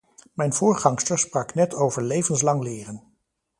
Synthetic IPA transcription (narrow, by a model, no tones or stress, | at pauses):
mɛjnvʊːɹχɑŋstəɹsprɑknɛtʰowvəɹlejvənslɑŋlɪːrən